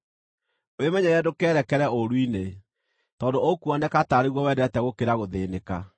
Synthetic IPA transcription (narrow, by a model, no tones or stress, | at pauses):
wemɛɲɛɾɛdokɛːɾɛkɛɾɛoɾwine | tɔːndookuɔnɛkataɾeɣwɔwɛːdɛtɛɣokeɾaɣoðeːneka